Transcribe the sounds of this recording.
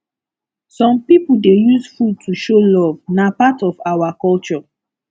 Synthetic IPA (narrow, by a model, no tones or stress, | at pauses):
sɔ̃mpipuldejusfud̚tʰuʃolɔvnapatɔvawakɔlt͡ʃɔ